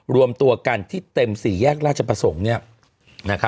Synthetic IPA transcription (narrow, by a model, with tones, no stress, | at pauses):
ɾu˧əmt̪u˧ɐka˧nt̪ʰiː˥˩t̪e˧msiː˩˦jɛː˥˩k̚ɾaː˥˩t̪̚t͡ɕʰa˧pɾa˧so˩˦ŋni˥˩ɐ | na˦˥kʰa˦˥